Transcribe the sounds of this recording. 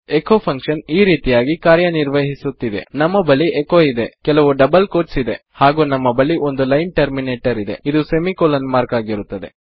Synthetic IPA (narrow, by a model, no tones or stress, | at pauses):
ekoːpʰɐŋkʂɐniːɾiːt̪ijaːɡikaːɾjɐniɾʋɐɦisut̪ːid̪e̞̰nɐmːɐbɐliʔekoːid̪e̞kɛlɐʋuɖɐbɐlkoːʈsid̪e̞̰haːɡuːnɐmːɐbɐliʔo̞nd̪ulɐjnʈɐɾmineːʈɐɾid̪e̞̰id̪usemikoːlɐnmaːɾkaːɡiɾut̪ːɐd̪e̞̰